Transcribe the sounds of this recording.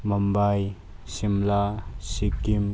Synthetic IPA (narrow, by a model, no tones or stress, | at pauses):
mɐmbaj | simlasikːim